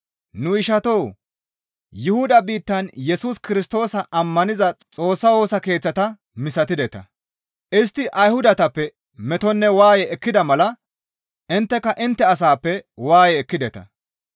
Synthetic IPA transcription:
nʊɪʃɐt̪ow | jʊhʊd̪ɐbiːt̪ːɐnjɛsʊskɪɾɪst̪o̞ːsɐʔɐmːɐnɪzɐt͡sʼo̞ːsːɐwo̞ːsɐke̞ːt͡sːɐt̪ɐ | mɪsɐt̪ɪd̪ɛt̪ɐ̰ | ʔɪst̪ːɪʔɐjhʊd̪ɐt̪ɐpːɛ | mɛt̪ɔnːɛwaːjɛɛkːɪd̪ɐmɐlɐ | ʔɪnt̪ːɛkːɐʔɪnt̪ːɛɐs̬aːpːɛwaːjɛːkːɪd̪ɛt̪ɐ̰

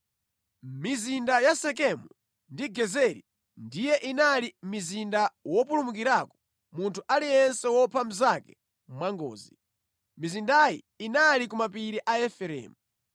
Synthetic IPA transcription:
mizindajasɛk̬ɛmu | ndiɡɛzɛɾḭ | ndijɛʔinalimizindawɔpulumuk̬iɾakɔ̥ | muntʰuʔalijɛnsɛwɔpʰam̩zakɛ̥ | mwaŋɡɔ̰ːzi | mizindajḭ | inalikumapiɾiʔaɛfɛɾɛ̰ːmu

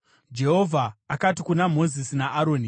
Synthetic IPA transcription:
d͡ʒe̞ɦo̞vʱaːkatikunamo̞zisinaʔaɾo̞ːni

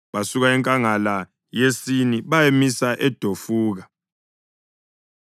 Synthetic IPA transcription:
βasuɣaɛŋkʼaŋala | jesiniβajemisaʔɛd̥ʱofuːɣa

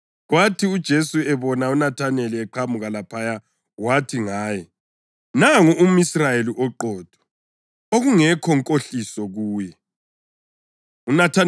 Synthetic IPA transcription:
ɣwatʰiud̥ʒ̥ʱesuɛβɔnaunatʰanɛliɛǃʰamuɣalapʰaja | watʰiŋaːjɛ | naŋuumisrajeliʔɔǃɔːd̥ʱɔ̥ | oɣuŋɛkʰɔŋkʼoɬisɔɣuːjɛ | unatʰa

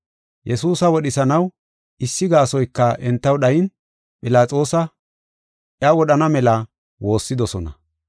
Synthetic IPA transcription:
jʔɛsuːsɐwɔɗɪsɐnɐw | ɪsːɪɡaːsɔjkːɐʔɛnt̪ːɐwɗɐjɪn | pʼɪlaːt͡sʼo̞ːsɐ | ʔjɐwɔɗɐnɐmɛlɐ | wo̞ːsːɪd̪ɔsɔnɐ̰

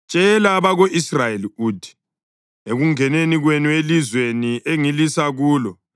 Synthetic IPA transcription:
t͡ʃʼɛlaβaɣoʔisrajeliuːdʱi̥ | eɣuŋɛneniɣwenuelizweniʔeŋilisaɣuːlɔ

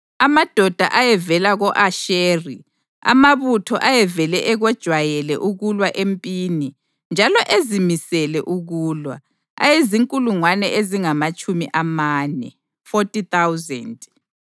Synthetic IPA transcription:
amad̥ʱɔd̥ʱa̰ʔajɛvɛlaɣɔʔaʃeːri | a̰maβutʰɔʔajɛvɛlɛʔɛɣɔd̥ʒ̥ʱwajɛlɛ̰ʔuɣulwaʔempʼiːni | nd͡ʒʱalɔʔezimisɛlɛʔuɣuːlwa̰ | a̰jeziŋkʼuluŋwanɛʔeziŋamat͡ʃʼumiʔamaːnɛ̰ | fɔtʼit̪ʰawzɛ̰nd

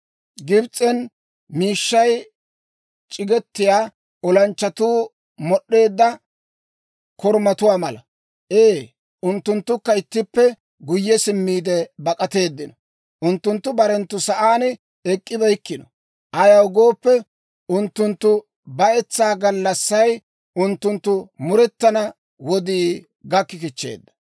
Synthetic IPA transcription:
ɡɪbt͡sʼːɛn | miːʃːɐj | t͡ʃʼɪɡɛt̪ːɪjaː | ʔɔlɐnt͡ʃːɐt̪uː | mɔɗːe̞ːd̪ːɐ | kɔɾmɐt̪ʊwaːmɐlɐ | ʔeː | ʔʊnt̪ːʊnt̪ːʊkːɐɪt̪ːɪpːɛ | ɡʊjːɛsɪmːiːd̪ɛbɐkʼɐt̪e̞ːd̪ːɪnɔ | ʔʊnt̪ːʊnt̪ːʊbɐɾɛnt̪ːʊsɐʔaːn | ɛkʼːɪbɐjkːɪnɔ | ʔɐjɐʊɡo̞ːpːɛ | ʔʊnt̪ːʊnt̪ːʊ | bɐʔɛt͡sːaːɡɐlːɐsːɐj | ʔʊnt̪ːʊnt̪ːʊmʊɾɛt̪ːɐnɐ | wɔd̪iː | ɡɐkːɪkɪt͡ʃːe̞̰ːd̪ːɐ̥

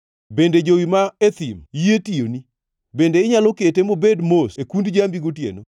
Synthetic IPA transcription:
bended͡ʒowimaet̪imjetioni | bendeɪɲaloketemobedmosekundd͡ʒambiɡotjḛno

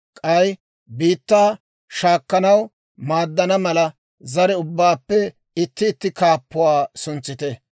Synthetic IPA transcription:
kʼɐj | biːt̪ːaː | ʃaːkːɐnɐw | maːd̪ːɐnɐmɐlɐ | zɐɾɛʊbːaːpːɛ | ɪt̪ːɪːt̪ːɪkaːpːʊwaːsʊnt͡sːɪt̪ɛ

